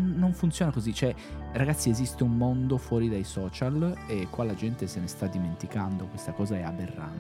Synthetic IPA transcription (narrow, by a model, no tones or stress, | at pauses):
nːoɱfunt̪sjoːnakozit͡ʃoɛraɡat̪siezist̪eummond̪ofwɔːɾid̪ajsɔːt͡ʃalekwalːad͡ʒɛnt̪esenest̪ad̪ːiment̪ikand̪okwest̪akɔːzaɛabːerːa̰n